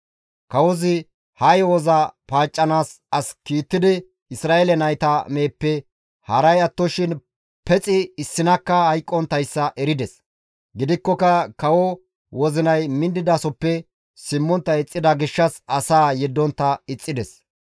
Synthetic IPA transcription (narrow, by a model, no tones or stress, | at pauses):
kɐwɔzɪ | hɐjwɔzɐpaːt͡ʃʼːɐnaːs | ɐskiːt̪ːɪd̪ɪ | ɪsɾaːelɛnɐjt̪ɐme̞ːpːɛ | hɐɾɐjɐt̪ːɔʃɪn | pɛt͡sʼɪɪsːɪnɐkːɐhɐjkʼːɔnt̪ːɐjsːɐʔɛɾɪd̪ɛs | ɡɪd̪ɪkːɔkɐkɐwɔ | wɔzɪnɐjmɪnd̪ːɪd̪ɐsɔpːɛ | sɪmːɔnt̪ːɐɪt͡sʼːɪd̪ɐɡɪʃːɐsɐsaːjɛd̪ːɔnt̪ːɐɪt͡sʼːɪd̪ɛs